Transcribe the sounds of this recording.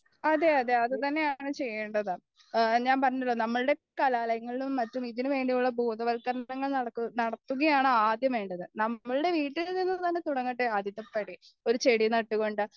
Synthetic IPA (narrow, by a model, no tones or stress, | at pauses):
ɐðe̞ɐðe̞ɐðɨt̪ɐnːe̞jaːɳɨt͡ɕe̞jːeɳɖɐðɨ | ɲaːnpɐrɐɲːɐlːo̞ːnɐmːɐɭɨɽe̞kɐlaːlɐjɐŋːɐɭilumːɐtːumiðinumʋe̞ːɳɖijuɭːɐbuːðɐʋɐlkɐɾɐɐŋːɐɭnɐɽɐkːunɐɽɐt̪ːuŋɣɐjaːɳɨaːd̪jɐme̞ːɳɖɐðɨnɐmːɐɭɨɽe̞ʋiːʈːilninːɨt̪ɐnːe̞t̪uɽɐŋːɐʈːɨad̪ʱjit̪ːɐpːɐɽi | o̞ɾut͡ɕe̞ɽinɐʈːuɣo̞ɳɖɨ